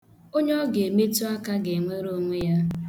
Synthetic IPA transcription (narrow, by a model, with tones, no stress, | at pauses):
o˦ɲɔ˦ɔ˦ɡe˨me˦tu˦a˦ka˦ɡe˨ŋʷe˦ɾo˦o˦ŋʷe˦ja˦